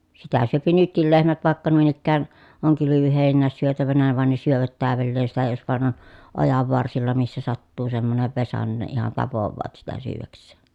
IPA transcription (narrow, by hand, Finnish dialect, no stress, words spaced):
sitæ syøpi nytkil lehmæt ʋɑˑekːɑ nuin ikːæːn oŋ kylyʋyheˑinːæːs syøtæʋænæ ʋɑn ne syøʋæt tæːʋelːeːn sitæ jos ʋɑˑen on ojɑʋːɑrsilːɑ misːæ sɑtːuː semːoneʋ ʋesɑ nin ne ihɑn tɑpoʋːɑːt sitæ syːʋæksˑeː